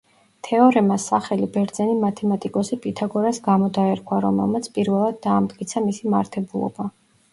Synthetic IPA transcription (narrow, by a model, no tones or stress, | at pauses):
t̪ʰɛɔɾɛmasaχɛlibɛɾd̪zɛnimat̪ʰɛmat̪ʼikʼɔsipʼit̪ʰaɡɔɾasɡamɔd̪aɛɾkʰwaɾɔ̰mɛ̰lˠmat̪sʰpʼiɾvɛlˠad̪̚ːaːmd̪ɡʼit̪sʰamisima̰ɾt̪ʰɛbulˠɔ̰ba